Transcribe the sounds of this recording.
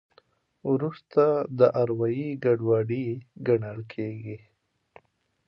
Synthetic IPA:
wɾust̪ad̪əʔaɾwajiɡaɖwɑɖiɡaɳəlkʰeɡi

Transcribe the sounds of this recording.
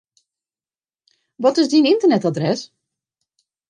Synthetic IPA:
ʋɔtɪzdinɪntərnɛtadrɛs

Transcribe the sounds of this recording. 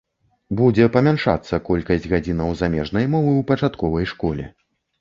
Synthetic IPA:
bud͡zʲɛpɐmʲanʂa̰t̪sːɐkɔlʲkɐsʲd͡zʲɣad͡zʲinɐwzamʲɛʐnɐjmɔvɨwpɐt͡ʂat̪kɔvɐjʂkɔlʲɛ̰

